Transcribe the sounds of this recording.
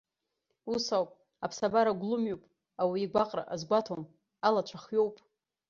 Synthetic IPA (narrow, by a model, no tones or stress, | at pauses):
usawpʼ | apʰsabaɾaɡʷlumjopʼ | awiːɡʷaqʼra̰ʔazɡʷatʰom | alat͡ʃʷʰaχɥo̞wpʼ